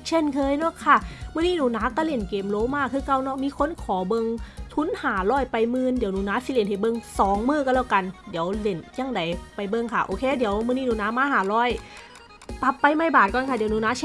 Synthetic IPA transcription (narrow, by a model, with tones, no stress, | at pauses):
t͡ɕʰe˧˥˨nkʰɤː˧jnɔ˧˩˨kʰa˧˥˩mɯ˧˨niː˧˥˨nuː˧˩˦naː˨˧˥ka˧˩le˧˩nkeː˨˩mloː˧˥maː˧˥˩kʰːɯː˧ka˧˨wnɔ˧˩miː˧˨kʰo˧˥˨nkʰɔː˨˩˦bɤ˧ŋt̪ʰu˧˥nhaː˩˦lɔː˧˥˩jpa˨jmɯː˧˨ndiː˨˩˦nuː˧˩naː˧˥si˧˦le˧˩nha˨˩jbɤ˧ŋsɔː˨˦ŋmɯː˧˩ka˧˩lɛ˧˩wka˧˨ndi˨˦əwle˧˩nja˧˩˨ŋda˨˦jpa˨jbɤ˧ŋkʰa˧˥˩ʔoː˧˩kʰeː˧˨diː˨˩˦wmɯː˧˨niː˧˥˨nuː˧naː˧˦˥maː˧˥ɦaː˨˦lɔː˧˥˩j | pa˨˧˦pːa˧jma˧˩jbaː˨˩t̪̚kɔː˧˨nkʰa˧˩di˨˦˧nuː˧naː˧˥t͡ɕʰe˧˥˨